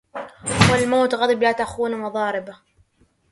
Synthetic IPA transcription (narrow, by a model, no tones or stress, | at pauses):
walmawt̪ɣɑd̪ˤɨblaːt̪axuːnmɑðˤɑːɾɪba